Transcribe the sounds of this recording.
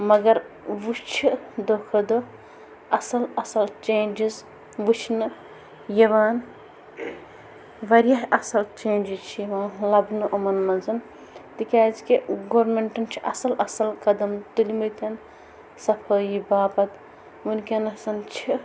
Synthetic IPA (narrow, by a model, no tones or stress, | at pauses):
mɐɡɐɾʋust͡ʃʰid̪oːkʰɐd̪o | ɐsɐlɐsɐlt͡ʃeːnd͡ʒiz | ʋut͡ʃʰnɨ | jɐʋaːn | ʋɐɾjɐɦɐsɐlt͡ʃeːnd͡ʒizt͡ʃʰijɐʋaːnlɐbnɨʔɐmɐnːɐzɐn | t̪ikʲaːzikiɡoːɾmeɳʈɐnt͡ʃʰiʔɐsɐlɐsɐlkɐd̪ɐmt̪ulʲimɐt̪ʰɐn | sɐpʰoːjibaːpɐt̪ | munʲkʲɐnɐsɐnt͡ʃʰi